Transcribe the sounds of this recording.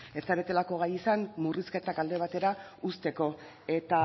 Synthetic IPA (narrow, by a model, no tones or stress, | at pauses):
e̞st͡saβet̪e̞lako̞ɣ̞ajisanmuriske̞t̪akald̪e̞β̞at̪e̞ɾaust̪e̞ko̞ | e̞t̪a